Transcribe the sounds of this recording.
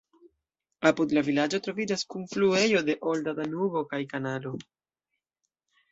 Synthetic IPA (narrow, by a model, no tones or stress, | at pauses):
apud̪lavilad͡ʒo̞tɾo̞vid͡ʒaskunflue̞jo̞de̞ʔoldadanubo̞kajkanado̞